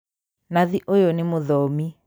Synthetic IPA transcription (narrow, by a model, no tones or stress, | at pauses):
naðiʔojonemoðɔmi